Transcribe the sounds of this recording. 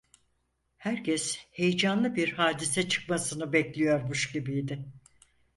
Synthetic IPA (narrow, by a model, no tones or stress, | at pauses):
hæɾcʰɛshejd͡ʒanlˠɯbiɾhaːd̪isɛt͡ʃʰɯ̥k̚masɯnɯbɛclʲijo̞ɾmuʃɟibijd̪ɪ